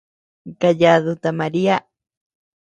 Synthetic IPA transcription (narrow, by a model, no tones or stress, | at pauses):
ɡaʎaðut̪amaɾia